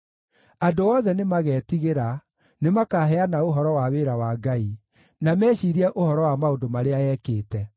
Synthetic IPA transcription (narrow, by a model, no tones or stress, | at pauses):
adoɔðɛnemaɣɛːtiɣeɾa | nemakaɦɛanaoɦɔɾɔwaweːɾawaːɡai | namɛːɕiːɾiɛʔohɔɾɔwamaodomaɾeaɛːkeːtɛ